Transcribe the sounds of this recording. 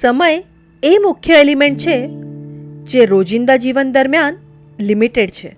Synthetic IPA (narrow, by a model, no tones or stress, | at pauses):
səməj | emukʰjəelimeɳʈ̚t͡ʃʰe | d͡ʒeɾod͡ʒind̪ad͡ʒiʋənd̪əɾmjan | limiʈeɖt͡ʃʰḛ